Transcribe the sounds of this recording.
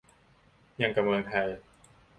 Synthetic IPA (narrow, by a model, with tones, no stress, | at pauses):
ja˧ŋka˧mwɤː˧ŋt̪ʰa˧j